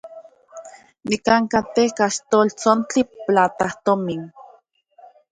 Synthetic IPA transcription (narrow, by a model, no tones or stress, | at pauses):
nikaŋkat̪ehkaʃt̪oːlt͡sont͡ɬiplat̪aht̪omin